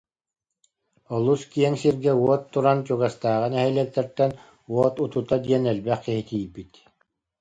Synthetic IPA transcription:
ɔlˠuskiɛŋsiɾɡɛuɔt̪ːuɾant͡ɕuɡast̪aːʁɯnɛɦɛjlɛk̚t̪ɛɾt̪ɛn | uɔt̪ut̪ut̪ad̪iɛnɛlbɛχkiɦit̪ijbit̪

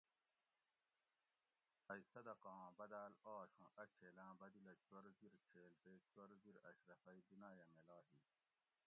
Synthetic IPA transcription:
ɐisɐd̪ɐqãːbɐd̪aːlaːɕũʔɐt͡ɕʰeːlãːbɐd̪ilɐt͡ɕwɐɾziɾt͡ɕʰeːlp̪eːt͡ɕwɐɾd̪iɾɐ̰ɕɾɐfɐid̪inaːjɐmelaːɦi

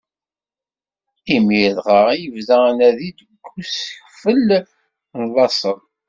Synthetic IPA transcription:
imiðʁəʁjəvðænæðid̪əɡʷːusəç | fəl | nlˤːɑsˤən

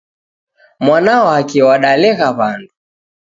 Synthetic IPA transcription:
mwanaɔakiwaɗalɛɣaβandu

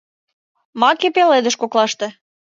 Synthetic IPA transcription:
mɑkepeled̪ə̆ʃkoklɑʃt̪ĕ

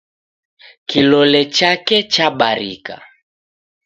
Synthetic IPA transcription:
kilɔlɛt͡ʃakɛt͡ʃaɓaɾḭka̰

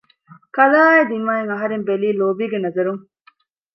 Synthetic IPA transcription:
kɐlaːed̪imːaːeŋɐɦɐɾembeliːloːbiːɡenɐzɐɾuŋ

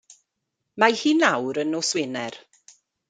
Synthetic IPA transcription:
majhiːnawɾənɔswɪnɛr

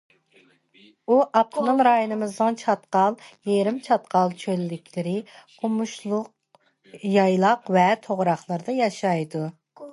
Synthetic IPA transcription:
uʔɑp̚t̪ʰɨnɨmɾɑːjunɨmɨzd̪ɨnt͡ʃʰɑt̪qɑlˠjeɾɪmt͡ʃʰɑt̪̚qɑlˠt͡ʃʰølːɪkʲʰlɪɾɪqʰʊmuʃlˠʊq | jɑjlˠɑqvɛt̪ʰoʁɾɑχlˠəɾd̪ɑjɑʃɑjd̪u

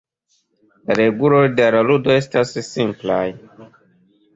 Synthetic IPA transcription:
laɾe̞ɡulo̞jdeaɾaludo̞e̞stasːimplaj

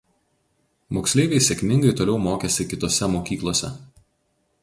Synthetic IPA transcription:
moːksʲlʲeːʋʲɛɪsʲɛkʲmʲɪŋɡɐɪt̪oːlʲɛʊmoːkʲɛsʲɪkʲɪt̪oːsʲɛmoːkʲiːklˠoːsʲɛ̰

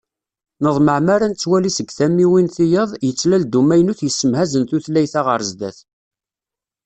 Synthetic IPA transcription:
nəðˤməʕmæɾænt͡sːwælisəɡθæmːiwinθijəðˤjət͡sːlæld̪umæjnuθjəsːəmhæzənθuθlæjθaʁəɾzd̪æ̰θ

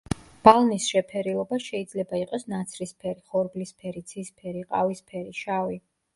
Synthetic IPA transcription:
b̥alˠnisʃɛpʰɛɾilˠɔbaʃɛid̪zlɛbaiqʼɔsnat̪sʰɾispʰɛɾiχɔɾblispʰɛɾit̪sʰispʰɛɾiqʼa̰vispʰɛɾiʃavi

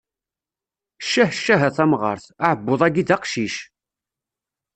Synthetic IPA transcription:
ʃːæhʃːæɦæθæmʁə̰ɾˤθaʕəbːoðˤæɡidæqʃiʃ

